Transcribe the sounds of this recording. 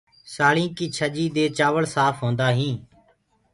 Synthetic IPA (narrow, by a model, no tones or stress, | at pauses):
saːɭĩːkiːt͡ʃʰəd͡ʒiːd̪eːt͡ʃaːʋəɭsaːpʰɦõːnd̪aːɦĩː